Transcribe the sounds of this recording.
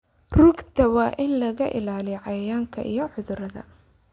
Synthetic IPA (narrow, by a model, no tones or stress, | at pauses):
rʊɡt̪ʰɐwɑːʔɪnlɐɣɐʔɪ̰laːlɪjʕɑjɐjaːŋkʰɐʔḭjɔʕʊðʊɾɐðɐ̰